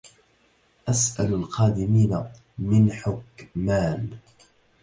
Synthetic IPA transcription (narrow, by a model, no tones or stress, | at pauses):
ʔasʔalalqɑːd̪ɪmiːna | mɪnħʊkmaːm